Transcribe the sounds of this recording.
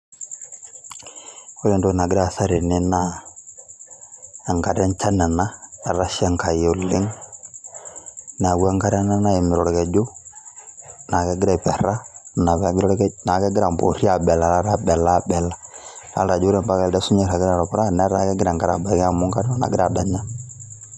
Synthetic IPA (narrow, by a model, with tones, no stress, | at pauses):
o˦le˦˨nto˦˨na˨ɡɪ˦ɾa˦˨sa˦ɾe˨nɪ˦na˦ | a˨ŋka˨ɾɛ˦nt͡ʃa˦na˨na˦a˨ɾa˦ʃi˦a˦ŋka˨jo˨lːɪ˦ŋ | n˨a˨ɡu˦a˦ŋka˦ɾna˦na˦ɛ˨mɪ˨ɾɔ˨ɾkɛ˨d͡ʒo˦ | na˨kɛ˦ɡɪ˦ɾɛ˦˨pɛ˨ɾa˦˨na˨bɛ˨ɡɾna˨kɛ˦ɡɪ˦ɾa˨mbo̰˨ɾi˦a˨bɛ˨la˨la˦ɾa˦bɛ˨la˦˨bɛ˨la˨ɾa̰˦lɾa˨d͡ʒo˦ɾe˨mba˦ka˨ldɛ˦su˦ɲɛ˦˨ɾa˨ɡɪ˦ɾa˨ɾɔ˨pɾa˦˨na˦ɾa˨kɛ˦ɡɪ˦ɾa˨ŋɡa˨ɾa˨ba˨kɛ˦a˦˨mu˦ŋka˦o˦na̰˨ɡɪ˦ɾa˨bɛ˦ɲa˦